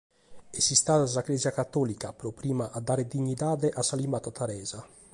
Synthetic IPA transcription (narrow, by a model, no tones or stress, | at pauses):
esːist̪aːt̪as̬aklɛːzjakat̪ːɔːlikapɾɔpɾiːmaʔad̪ːaːɾed̪iɲːid̪aːd̪ɛʔasːalimaːt̪at̪aɾɛːza